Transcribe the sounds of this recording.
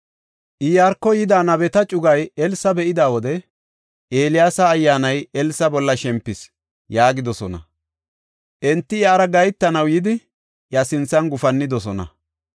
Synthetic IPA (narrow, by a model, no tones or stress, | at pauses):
ʔɪjaːɾkːɔjɪd̪aːnɐbɛt̪ɐt͡ʃʼʊɡɐjɛlsɐbɛʔɪd̪aːwɔd̪ɛ | ʔeːlɪjaːsɐːjːaːnɐjɛlsɐbɔlːɐʃɛmpːɪs | jaːɡɪd̪ɔsɔnɐ̰ | ʔɛnt̪ːɪjɐːɾɐɡɐjt̪ːɐnɐwjɪd̪ɪ | jɐsɪnt͡sːɐnɡʊfɐnːɪd̪ɔsɔnɐ̰